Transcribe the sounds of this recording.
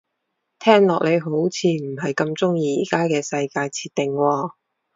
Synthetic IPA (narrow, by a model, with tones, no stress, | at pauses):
t̪ʰɛː˥ŋlɔː˨k̚le˨˧jɦo˨˥wt͡sʰiː˨˧m̩˨˩ɦɐ˨jkɐ˧mt͡sʊ˥ŋjiː˧iː˨kaː˥kɛː˧sɐ˧jkaː˧jt͡sʰiː˧t̪ɪ˨ŋwɔː˧